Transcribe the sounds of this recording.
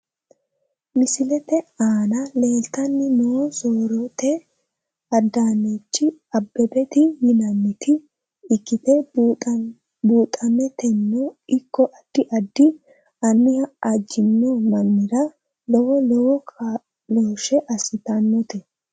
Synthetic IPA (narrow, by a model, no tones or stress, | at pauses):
mɪsɪlɛt̪ɛaːnɐle̞ːlt̪ɐnːɪnoːsoːɾɔt̪ɛ | ɐd̪ːaːnːet͡ʃːɪɐbːɛbɛt̪ɪjɪnɐnːɪt̪ɪː | kːɪt̪ɛ | buːt̪ʼːɐmɛt̪ɛnːɔɪkːɔʔɐd̪̥ːɪʔɐd̪ːɪ | ɐnːɪhɐʔɐd͡ʒːɪnːɔmɐnːɪɾɐ | lɔwɔlɔwɔ | loːʃɛʔɐsɪt̪ɐnːɔt̪ɛ